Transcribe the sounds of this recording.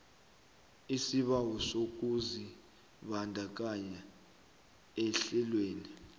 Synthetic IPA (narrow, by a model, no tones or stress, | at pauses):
isiɓawɔsok̬uzi | ɓandʱak̬aɲa | ɛɬɛlweːni